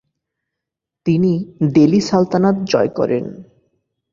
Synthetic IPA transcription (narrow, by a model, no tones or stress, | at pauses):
t̪inid̪elisalt̪anat̪̚d͡ʑɔekɔ̰ɾḛn